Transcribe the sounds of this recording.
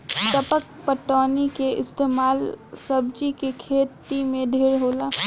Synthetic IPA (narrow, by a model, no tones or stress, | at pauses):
t̪əpək̚ | pəʈɔːnikeʔɪst̪eːmaːlsəbd͡ʒikekʰeːt̪imẽd̪ʱeːɽɦoːlaː